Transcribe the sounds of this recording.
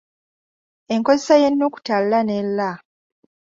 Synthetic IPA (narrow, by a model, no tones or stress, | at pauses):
e̞ŋko̞zesajenːoːku̥tallanelːa